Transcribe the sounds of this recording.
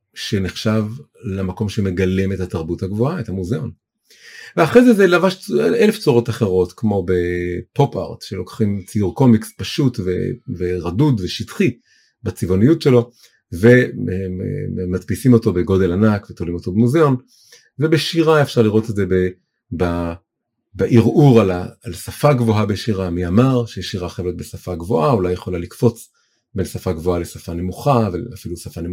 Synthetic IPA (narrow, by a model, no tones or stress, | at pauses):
ʃe̞neχʃav | lamako̞mʃeme̞ɡale̞me̞thataʁbuthaɡvo̞ae̞thamuzeon | veaχʁezezelavaʃt͡sʔeleft͡soʁo̞taχeʁo̞tkmo̞bepo̞pa̰ʁtʃelo̞kḁχimt͡siuʁko̞mikspaʃutvḛveʁɐdudveʃitχi | bat͡sivo̞nijutʃe̞lo̞ | ve̞eḛmat̪pisimo̞t̪o̞be̞ɡo̞de̞lanakvet̪olimo̞t̪o̞bemuzeo̞n | ve̞beʃiʁaefʃaʁliʁo̞tetze̞be | ba | baʔiʁuʁalaːlsafaɡvo̞ɦabeʃiʁamiamaʁʃejeʃiʁaχevlet̪̚besafaɡvo̞ʔaulajeχo̞lalikfo̞t͡s | bensafaɡvo̞alesafane̞muχavalafilusafane